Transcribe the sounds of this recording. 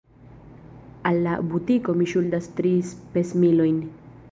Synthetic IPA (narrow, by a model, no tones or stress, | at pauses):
alːabutiko̞miʃuldastɾispesmilo̞jn